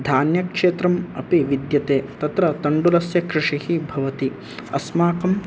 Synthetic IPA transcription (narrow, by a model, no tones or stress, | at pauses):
d̪ʱaːnjɐkʂeːt̪ɾɐmɐ̰piʋid̪jɐt̪eːt̪ɐt̪ɾɐt̪ɐɳɖulɐsjɐkɾɪʂihibʱɐʋɐt̪i | ɐ̰smaːkɐm